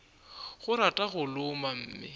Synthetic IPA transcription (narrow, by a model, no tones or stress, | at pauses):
ɣʊɾatʼaɣʊlʊmam̩ːmɪ̰